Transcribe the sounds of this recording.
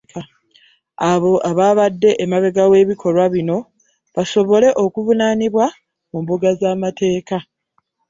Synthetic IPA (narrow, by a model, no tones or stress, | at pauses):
aβo̞ʔaβaːβadːe̞ʔːmaβe̞ɡawe̞ːβikʰo̞lwaβino̞ | βaso̞βo̞le̞ʔokuvunaːniβwa | mumbuɡazamatʰe̞ːka